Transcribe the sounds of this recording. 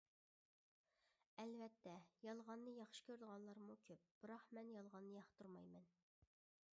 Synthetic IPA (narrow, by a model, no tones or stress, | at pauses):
ɛlvɛt̪ʰːɛjɑlˠʁɑnːɨjɑχʃɪ̥kʲʰøɾd̪əʁɑnlˠɑɾmukʲʰøp̚b̥ɨɾɑχmɛnjɑlˠʁɑnːɨjɑχt̪ʰuɾmɑjmɛn